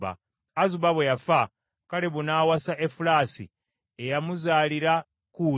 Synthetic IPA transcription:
ba̰ː | zuβaβwejafa | kaleβunaːwasaʔefulaːsḭ | ejamuzaːliɾa | ku

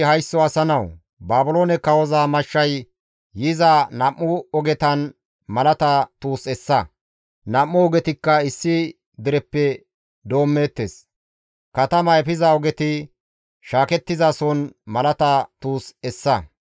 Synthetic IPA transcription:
hɐjsːɔɐsɐnɐw | baːbʊloːnɛkːɐwɔzaːmɐʃːɐj | jɪzaːnɐmːʊɔɡɛt̪ɐn | mɐlɐt̪ɐt̪uːsɛsːɐ | nɐmːʊɔɡɛt̪ɪkːɐɪsːɪ | d̪ɪɾɛpːɛ | d̪o̞ːmːeːt̪ːes | kɐt̪ɐmɐɛfɪzaɔɡɛt̪ɪ | ʃaːkɛt̪ːɪzaːsɔnmɐlɐt̪ɐt̪uːsɛsːɐ

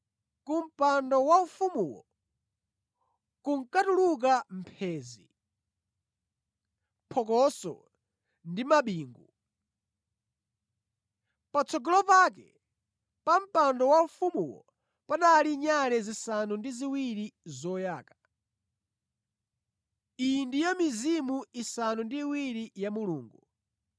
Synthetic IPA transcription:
kum̩pandɔwaufumuwɔ̰ | kuŋkatuluk̬am̩pʰɛːzi | pʰɔk̬ɔsɔ̰ | ndimaɓiːŋɡu | pat͡sʰɔɡɔlɔpak̬ɛ | pam̩pandɔwaɱfumuwɔ̰ | panaliɲaɾɛzisanundiziwiɾizɔjaːka | indijɔmizimuisanundiːwiɾijamuluːŋɡu

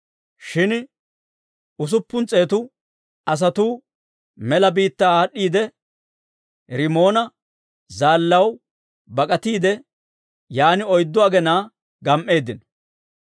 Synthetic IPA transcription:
ʃɪn | ʊs̬ʊpːʊnt͡sʼe̞ːt̪ʊ | ɐs̬ɐt̪uː | mɛlɐbiːt̪ːaːaːɗːiːd̪ɛ | ɾɪmo̞ːnɐ | zaːlːɐw | bɐkʼɐt̪iːd̪ɛ | jaːnɪɔjd̪ːɔɐɡɛnaː | ɡɐmʔːe̞ːd̪ːɪnɔ

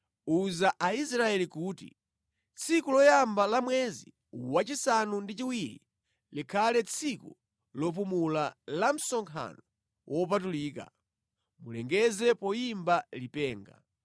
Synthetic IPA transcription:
uzaʔaisɾaɛlikuːtḭ | t͡sʰikulɔjambalamwɛzi | wat͡ʃisanundit͡ʃiwiɾḭ | likʰalɛt͡sʰiku | lɔp̬umulalam̩sɔŋkʰa̰nɔ | wʔɔp̬atuliːka̰ | mulɛŋɡɛzɛpɔjimbalipɛːŋɡa̰

